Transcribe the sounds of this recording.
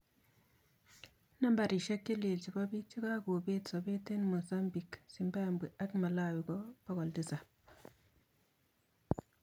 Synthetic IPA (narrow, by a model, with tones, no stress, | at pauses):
na˦mba˨ɾi˨ʃa˦kːe˦le˨lt͡ʃi˨ba˦bi˦t͡ʃi˦ka˦ɡoː˨be˦tsɔ˨be˦te˦nmo˨sa˦mbi˨ksi˨mba˦˨mbi˨a˦kma˨la˦˨wi˨ɡɔ˦b̥a˦ɡɔ˨ldi˦sa˨